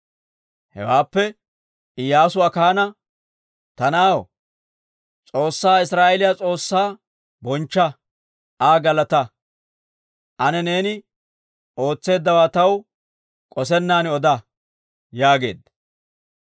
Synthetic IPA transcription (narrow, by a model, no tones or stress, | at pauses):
hɛ̰waːpːɛ | ɪjaːsʊɐkaːnɐ | t̪ɐnaːw | t͡sʼo̞ːsːaːɪsɾaːʔɛlɪjat͡sʼo̞ːsːaː | bɔnt͡ʃːɐ | aːɡɐlɐt̪ɐ | ʔɐnɛne̞ːnɪ | o̞ːt͡sːe̞ːd̪ːɐwaːt̪ɐw | kʼɔs̬ɛnːaːnɪɔd̪ɐ | jaːɡe̞ːd̪ɐ